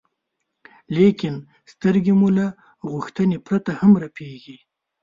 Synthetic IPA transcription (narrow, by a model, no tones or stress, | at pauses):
lekɪn | st̪əɾɡemula | ɣʊxt̪ənepɾat̪ahamɾapʰeɡi